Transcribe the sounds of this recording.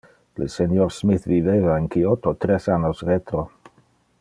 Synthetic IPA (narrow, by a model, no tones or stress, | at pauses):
lḛsenjoɾsmiθviveβaeŋkiot̪ot̪ɾesanosret̪ɾo